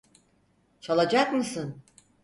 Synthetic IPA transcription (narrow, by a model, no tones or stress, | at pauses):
t͡ʃʰalˠad͡ʒakmɯsɯn